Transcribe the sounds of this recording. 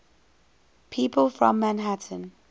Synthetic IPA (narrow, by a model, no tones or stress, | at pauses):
pʰiːˑpəlˠfɹɔ̃mːãnɦatʰə̃n